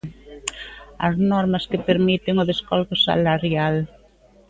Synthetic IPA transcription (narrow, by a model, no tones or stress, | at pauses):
ɐ̰znɔɾmɐskepeɾmit̪ɪŋʊðeskalɣʊsa̰laɾjal